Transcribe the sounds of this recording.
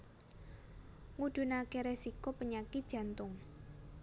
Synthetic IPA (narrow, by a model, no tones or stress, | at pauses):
ŋuɖ̪̥ṳnakeɾɛsikopəɲakɪd̥ʒ̥ä̤nt̪ʊŋ